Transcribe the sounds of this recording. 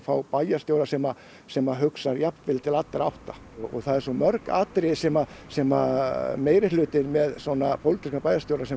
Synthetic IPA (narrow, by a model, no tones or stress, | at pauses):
fawpajast̪jowɾasɛma | sɛmaɦʏksaɾjapnvɪlt̪ʰɪlat̪ːɪɾawht̪a | ɔɣɔ̰ɣθaðɛɾsɔmœɾka̰ːt̪ɾɪsɛmasɛmameːjɾɪlʏːt̪ɪɾmɛðsɔnapʰowlt̪ɪskapaːjast̪jowɾasɛ